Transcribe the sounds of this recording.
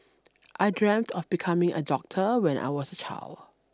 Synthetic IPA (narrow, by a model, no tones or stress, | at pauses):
ʔaɪdɹɛ̃mtʰɔfbikʰãmɪ̃ŋʔə̰dɔk̚tʰəwɛ̃nʔa̰ɪwɔsət͡ʃʰa̰ɪld